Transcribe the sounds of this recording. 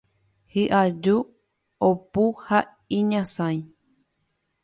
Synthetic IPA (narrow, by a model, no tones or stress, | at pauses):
hɨʔad͡ʒu | opuha | ĩɲãsãj̃